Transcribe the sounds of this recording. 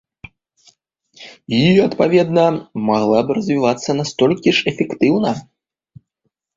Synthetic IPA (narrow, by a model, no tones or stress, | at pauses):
jijɐt̪pavʲɛd̪nɐmaɣlˠabɨɾɐzʲvʲivat̪sːɐnast̪ɔlʲkʲiʂɛfʲɛkt̪ɨwnɐ